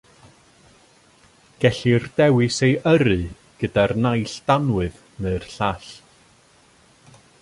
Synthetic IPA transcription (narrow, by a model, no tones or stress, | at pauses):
ɡ̥ɛɬirdɛwɨsejəɾɨ | ɡ̥ədarnajɬd̥anwɨð | neɨrɬaɬ